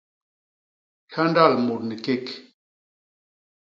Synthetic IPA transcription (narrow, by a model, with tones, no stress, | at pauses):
kʰa˦nda˦˨lmo˨t̚ni˨ke˦k